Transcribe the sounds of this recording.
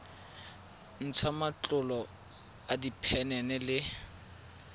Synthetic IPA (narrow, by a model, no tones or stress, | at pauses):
n̩t͡sʰamat͡ɬʼʊlɔ | adipʰɛnɛnɛlɪ